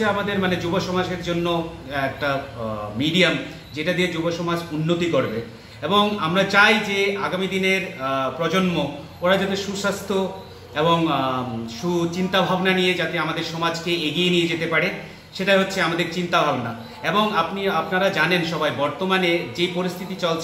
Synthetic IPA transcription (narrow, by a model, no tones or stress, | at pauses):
eamad̪eɾmaned͡ʑuboʃɔmad͡ʑeɾd͡ʑonːoɛk̚ʈamiɖiam | d͡ʑeʈad̪ied͡ʑuboʃɔmad͡ʑunːot̪ikoɾbe | eboŋamɾat͡ɕajd͡ʑeaɡamid̪ineɾpɾɔd͡ʑonmo | oɾad͡ʑat̪̬eʃuʃast̪ʰo | eboŋ | ʃut͡ɕint̪abʱabnanijed͡ʑat̪eamad̪eɾʃɔmad͡ʑkeeɡienijed͡ʑet̪epaɾe | ʃeʈajɦotːɕʰeamad̪eɾt͡ɕint̪abʱabna | eboŋapniapnaɾad͡ʑanenʃɔbajbɔɾt̪omaned͡ʑejpoɾist̪ʰit̪it͡ɕɔlt͡ɕʰ